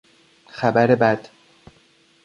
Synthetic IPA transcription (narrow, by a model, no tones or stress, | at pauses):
xæbæɾebæd̪̥